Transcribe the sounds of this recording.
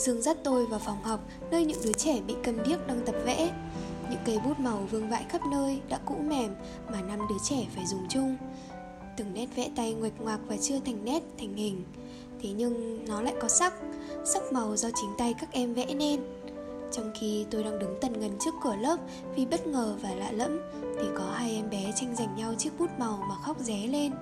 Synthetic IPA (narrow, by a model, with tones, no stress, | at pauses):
z̥ɨ˧əŋzaː˦˥t̚t̪o˧jvaː˨˩fa˨˩wŋ͡mha˨˩wk͡p̚ | nəː˧jɲɨ̰˧˥ŋɗɨ˨˦ət͡ɕɛ˧˩ɓḭ˧˨kə˨˩nɓi˦˥ək̚ɗaː˧ŋt̪ə˨˩p̚vɛ̰˧˥ | ɲɨ̰˧˥ŋkə˨˦jɓu˦˥t̚ma˨˩wvɨ˧əŋva̰ː˧˨jxə˦˥p̚nəː˧jɗa̰ː˧˥kṵ˧˥mɛ˨˩m | maː˨˩na˧mɗɨ˨˦ət͡ɕɛ˧˩faː˧˩jzʊ˨˩ŋ͡mt͡ɕʊ˧ŋ͡m | t̪ɨ˨˧˩ŋnɛ˦˥t̚vɛ̰˧˥t̪a˧jŋwi˨˩k̚ŋwaː˨˩k̚vaː˨˩t͡ɕɨ˧ət̪ʰɛ˨˩jŋ̟nɛ˦˥t̚t̪ʰŋ̟hï˨˩ŋ̟ | t̪ʰe˨˦ɲɨ˧ŋnɔ˨˦la̰ː˧˨jkɔ˨˦sa˦˥k̚sa˦˥k̚ma˨˩wzɔ˧t͡ɕï˨˦ŋ̟t̪a˧jkaː˦˥k̚ʔɛ˧mvɛ̰˧˥ne˧n | t͡ɕɔ˧wŋ͡mxi˧t̪o˧jɗaː˧ŋɗɨ˨˦ŋt̪ə˨˩nŋə˨˩nt͡ɕɨ˦˥əkːɨ˧˩ələː˦˥p̚ | vi˨˩ɓə˦˥t̚ŋəː˨˩vaː˨˩la̰ː˧˨lə̰˧˥m | t̪ʰi˨˩kɔ˨˦haː˧jʔɛ˧mɓɛ˨˦t͡ɕa˧jŋ̟za˨˩jŋ̟ɲa˧wt͡ɕɨ˦˥ək̚ɓu˦˥t̚ma˨˩wmaː˨˩xa˦˥k͡p̚zɛ˨˦le˧n